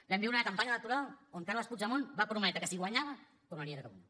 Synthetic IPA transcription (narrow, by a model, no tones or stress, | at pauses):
bɛmbiunəkampaɲalək̚t̪uɾalˠoŋkaɾlaspuzamonbapɾumɛt̪ɾəkəsiɣwaɲaβɐ | k̪unanieɾəkaβun